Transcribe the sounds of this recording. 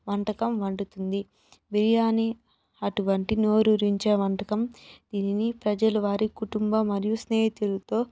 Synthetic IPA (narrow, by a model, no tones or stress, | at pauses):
ʋɐɳʈɐkɐmʋɐɳɖut̪und̪i | biɾijaːni | ɐʈuʋɐɳʈino̞ːɾuɾiɲt͡ʃeːʋɐɳʈɐkɐmd̪̥iːninipɾɐd͡ʒɐluʋaːɾikuʈumbɐmɐɾijusneːɦit̪ilut̪o̞ː